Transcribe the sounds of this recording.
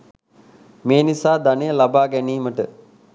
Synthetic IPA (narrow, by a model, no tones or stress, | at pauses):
meːnisaːd̪anejəlabaːɡæniːməʈə